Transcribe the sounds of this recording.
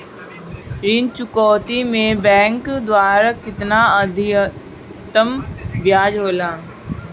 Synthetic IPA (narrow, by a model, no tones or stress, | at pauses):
ɾint͡ʃʊkɔːt̪imẽbɛ̃ːŋkd̪waːɾakɪt̪naəd̪ʱɪ | t̪əmbjaːd͡ʒɦoːlaː